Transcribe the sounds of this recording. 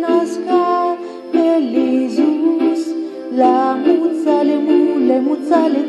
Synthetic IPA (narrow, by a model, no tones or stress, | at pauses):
naska | pelizius | lamut͡salemulɛmut͡sale